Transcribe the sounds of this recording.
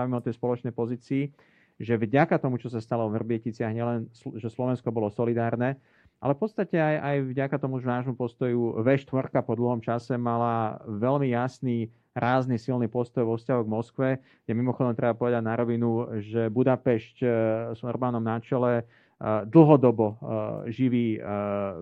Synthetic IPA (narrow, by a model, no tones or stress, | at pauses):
ʋimɛɔt̪ɛjspɔlɔt͡ʃnɛjpɔziːt͡siː | ʒɛvɟakat̪ɔmut͡ʃɔs̬ast̪alɔɔɦrbɪɛcit͡sɪaɦɲɪɛlɛnsʒɛslɔʋɛnskɔbɔlɔsɔlid̪aːɾnɛ | ʔa̰lɛfpɔt̪st̪acɛajajvɟakat̪ɔmuʒnaːʒmupɔst̪ɔjuʋɛʃt̪ʋɔɾkapɔd̪l̩ˠɦɔmt͡ʃasɛmalaʋɛlmijasniː | ɾaːznisilniːpɔst̪ɔjʋɔfscaɦɔɣmɔskʋɛ | ɡjɛmimɔxɔd̪ɔmt̪ɾɛbapɔʋɛd̪aɟnaɾɔʋinuʒɛbud̪apɛʃcsɔrbaːnɔmnat͡ʃɛlɛ | d̪l̩ˠɦɔd̪ɔbɔʒiʋiː